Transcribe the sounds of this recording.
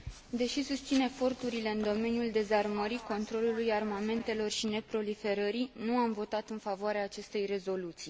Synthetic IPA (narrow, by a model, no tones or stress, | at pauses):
d̪e̞ʃisust̪sine̞fo̞rt̪uɾile̞ɨnd̪o̞me̞niuld̪e̞zarməɾiko̞nt̪ɾo̞lulujarmame̞nt̪e̞lo̞rʃine̞pɾo̞life̞ɾəɾinuamvo̞t̪at̪ɨnfavoaɾeaːt͡ʃe̞st̪e̞jre̞zo̞lut̪si